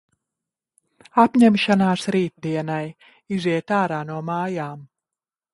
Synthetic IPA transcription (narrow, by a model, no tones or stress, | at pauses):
apɲɛmʃanaːsɾiːt̪̚d̪iɛnaj | iziɛt̪aːɾaːnuɔmaːjaːm